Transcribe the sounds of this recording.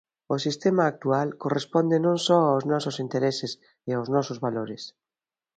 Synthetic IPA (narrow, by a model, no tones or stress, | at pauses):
ʊsist̪emaːk̚t̪ualkorespond̪enõŋsɔaoznɔsʊsint̪eɾesɪs | ɪaʊznɔsʊzβaloɾɪs